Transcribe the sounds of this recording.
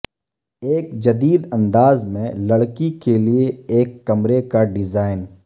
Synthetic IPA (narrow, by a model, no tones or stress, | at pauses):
eːk̚d͡ʒɐd̪iːd̪ɐ̃nd̪aːzmẽlɐɽkikelieeːkːɐmɾekaɖɪzaːɪn